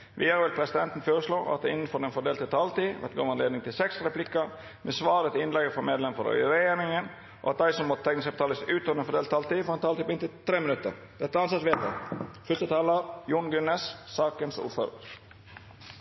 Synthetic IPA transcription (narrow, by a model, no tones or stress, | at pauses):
ʋiːəɾʋɪlpʰɾɛsɪd̪ɛnt̪n̩foːɾəsloːʔɑ̰t̪̚d̪ɛɪnːn̩fɔɾɛnfɔɖ̪eːlt̪ɪt̪ʰɑːlt̪iːʋɛ̰t̪ɡo̰ːʋɑnleːd̪nɪŋt̪ʰɪlsɛksɾɛplɪkːəɾ | mɛsʋɑːɾət̪ɪnlɛɡəfɔmeːd̪lɛmfɔ̰ɾœ̰ʏəɾɛjeːɾnɪŋən | ʔo̰ːɑ̰t̪̚d̪æɪsɔmːɔt̪ət̪ʰɛknəskɑp̚t̪ʰɑːləsʉːt̪oːnəfɔɖeːlʰɑːlt̪iːfɔːɾɛnt̪ʰɑːiːpɪnt̪ʰɪt̪ʰɾeːmɪnʉt̪ːə̰ɾ | d̪̥ɛt̪ːəɑnsɑt̪sʋeːt̪ə̰fœst̪ət̪ʰɑːləɾjuːnɡʉnːessɑːkənsṵːɾfø̰ːɾə̰ɾ